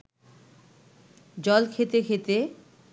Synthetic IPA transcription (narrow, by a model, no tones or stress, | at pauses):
d͡ʑɔlkʰet̪ekʰet̪e